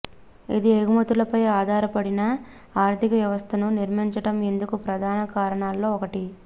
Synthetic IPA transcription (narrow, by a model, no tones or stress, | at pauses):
id̪ieɡumɐt̪ulɐpɐjaːd̪ʱaːɾɐpɐɽinɐ | aːɾt̪ʰikɐʋjɐʋɐst̪ʰɐnuniɾmiɲt͡ʃɐʈɐme̞nd̪ukupɾɐd̪ʱaːnɐkaːɾɐɳaːlːo̞ːɔkɐʈi